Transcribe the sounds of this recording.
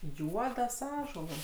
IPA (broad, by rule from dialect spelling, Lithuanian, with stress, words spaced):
ˈjuɔdɐs ˈɑːʒuɔlˠɐs